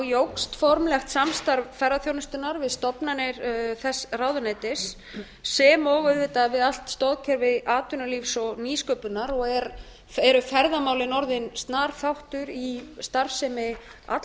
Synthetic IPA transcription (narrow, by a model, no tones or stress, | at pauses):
jowkst̪fɔɾmlɛxt̪samst̪aɾvfɛraθjownʏst̪ʏnaɾvɪðst̪ɔpnanɪɾθɛsrawðʏnɛt̪ɪsː | ɛmɔɣʏðvɪːt̪avɪðal̥t̪st̪ɔðcʰɛɾvɪðaːt̪ʏnaliːfsɔɣniːskœpʏnaɾɔɣɛɾ | fɛɾʏfɛɾðamaːwlɪnɔɾðɪnst̪naːɾfawht̪ʏɾist̪aɾfsɛmɪa̰t̪